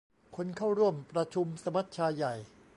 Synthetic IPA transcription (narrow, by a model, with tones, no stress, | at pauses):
kʰo˧nkʰa˥˩wɾu˥˩əmpɾa˧t͡ɕʰu˧msa˧ma˦˥t̪̚t͡ɕʰaː˧jːa˨˩j